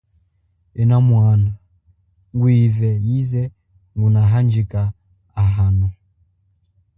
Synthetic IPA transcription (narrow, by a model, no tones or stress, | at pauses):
ɛnamwana | ŋɡwivɛjizɛ | ŋɡunaɦand͡ʒikaː | ɦanɔ